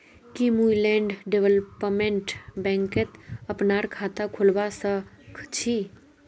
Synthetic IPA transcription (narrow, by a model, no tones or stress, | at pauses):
kimulɛ̃ːɳɖɖeʋəlpmẽɳʈbɛ̃ːŋket̪əpnaːɾkʰaːt̪akʰʊlʋasə | kʰt͡ʃʰi